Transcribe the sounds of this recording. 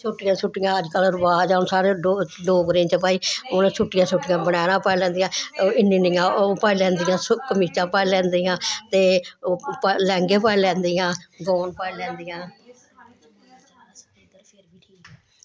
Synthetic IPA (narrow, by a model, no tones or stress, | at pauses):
sʊʈːɪjãːsʊʈːɪjãːəd͡ʒkəlɾʊbaːd͡ʒaːʊnsaːɾeːoloːɡɾẽːt͡ʃəpaːiːoːnẽːsʊʈːɪjãːsʊʈːɪjãːbəɽ̃aːnãːpalɛ̃ːnd̪ijãːɪniːnɪːãːopaːilɛ̃ːnd̪ɪjãːskəmiːt͡ʃãːpaːilɛ̃ːnd̪iːãːt̪eːopːlɛ̃ːŋɡeːpaːilɛ̃ːnd̪iːãːɡɔːnpaːilɛ̃ːnd̪ijãː | pɾiːiːkɛ